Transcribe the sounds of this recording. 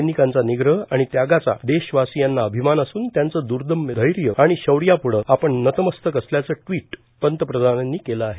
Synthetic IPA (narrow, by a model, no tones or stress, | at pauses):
nikãnt͡saniɡɾəɦaɽ̃it̪jaɡat͡sa̰d̪eɕʋasijanːaəbʱimanəsuːnt̪jant͡səd̪uɾd̪ʱəmd̪ʱəjɾjəaɽ̃iɕəʋɽijapuɭəapəɳnət̪əməst̪ʰəkəsljat͡səːʈʋiːʈ | pənt̪əpɾəd̪ʱananːiːkeləaɦe